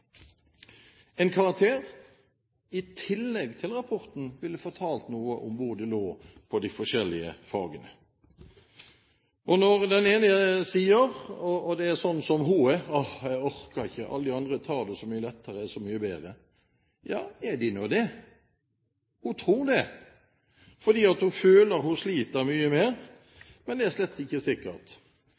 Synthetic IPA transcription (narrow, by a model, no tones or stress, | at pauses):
ɛɪnkʰɑʁɑk̚t̪ʰeːʁ | ɪt̪ʰɪlːɛɡt̪ʰɪlʁɑpʰɔɾt̪n̩ʋɪlːəfoːt̪ʰɑːlt̪nuːəʔʊmʋʊɾd̪ɛloːpʰɔd̪ɪfɔʃɛlːɪə̰fɑːɡənə | ɔnɔʁd̪ɛneːnəəsiːəʁɔɔd̪ɛæsɔnːsɔmɦuɛɔhjæɡɔɾkɑɾɪçːəʔɑ̰lːəd̪ɪɑnd̪ɾət̪ʰɑːɾd̪ɛsɔmyːəlɛt̪ʰːəɾəæsɔmyːəbeːd̪ɾə | jɑ̰ːɛd̪ɪnuːd̪ɛ | hʊt̪ʰɾuːd̪ɛ | fɔɾd̪iːɑt̪hʊføːləɾhʊʂliːt̪əɾmyːəmeːʁ | mɛnd̪ɛæɾʂlɛt̪ːɪçːəsɪkːət̪